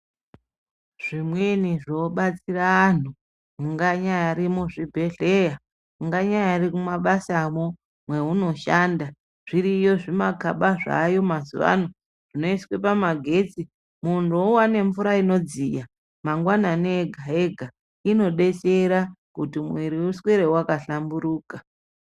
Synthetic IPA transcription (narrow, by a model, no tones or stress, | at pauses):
ʐ̥imwe̞niʐoɓat͡siraːn̤u | muŋɡaɲajaɾimoʐibʱe̞ɮeja | muŋɡaɲajarikumaɓasamo | mwe̞ɦuno̞ʃaːnda | ʐ̥iɾijo̞ʐimakaɓaʐa̰jo̞mazṵʋa̰no | ʐ̥ino̞iswe̞pamaɡʱe̞t͡si | mundowane̞ɱvuɾaino̞d͡zija | maŋɡwananeːɡʱaeɡʱa | ino̞ɗe̞t͡seɾakutimwiɾiusweɾewakaɬambuɾuːkḁ